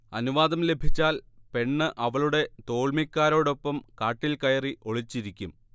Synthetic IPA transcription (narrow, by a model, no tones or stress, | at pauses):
ɐnuʋaːðɐmle̞bʱit͡ɕːaːlpe̞ɳːɨʔɐʋɐɭuɽe̞t̪o̞ːɭmikʲːaːɾo̞ːɽo̞pːɐmkaːʈːilkɐjɐriʔo̞ɭit͡ɕːiɾikʲːum